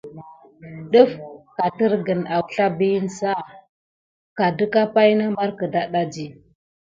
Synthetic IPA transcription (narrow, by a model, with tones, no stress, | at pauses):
ɗu˦fka˨tə˦ɾɡə˨na˨wɬa˦bi˦n˨sa˦ | ka˨də˦ka˦pa˦jna˦ma˦ɾkə˨da˦ɗa˦d͡ʒi˦